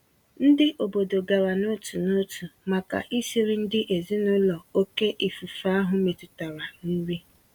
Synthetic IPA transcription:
n̩˦dɪ˦ʔo˨bo˨do˨ɡa˨ɾa˨no˦tu˨no˦tu˨ma˨ka̰˨ʔi˦si˨ɾi˦n̩˦dɪ˦ʔe˨zi˦nʊ˦lɔ˨o˦ke˦ʔi˨fu˨fa˦a˦ɦʊ˨me˨tu˨ta˨ɾa˨ni˦ɾi˦

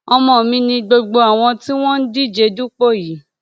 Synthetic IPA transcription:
ɔ˧mɔ̃˨mĩ˧nĩ˧ɡ͡bo˧ɡ͡bo˧a˨w̃ɔ̃˧ti˦w̃ɔ̃˦n̩˦di˦˨d͡ʒe˧du˦k͡po˦˨ji˨˦

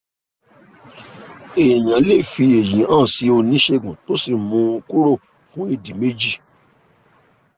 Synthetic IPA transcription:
e˨j̃ã˨˦le˦˨fi˧e˨jĩ˨˦ã˦˨si˨˦o˧nĩ˨˦ʃe˧ɡũ˨to˨˦si˨mũ˧u˧ku˦ɾo˦˨ | fũ˨˦i˦˨di˨me˦d͡ʒi˦˨

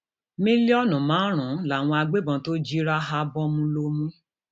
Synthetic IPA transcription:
mĩ˦li˦ɔ˦nũ˨mãː˨˦ɾ̃ũ˨˦la˦˨w̃ɔ̃˧a˧ɡ͡be˦bɔ̃˧˦to˦d͡ʒi˦ɾa˦ɦa˧bɔ˦mũ˧lo˧mũ˦

